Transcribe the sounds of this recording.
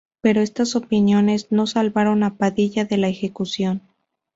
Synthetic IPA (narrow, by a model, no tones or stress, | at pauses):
pe̞ɾo̞e̞st̪aso̞pinjo̞ne̞zno̞salβaɾo̞napaðiʝaðe̞laexe̞kusjo̞n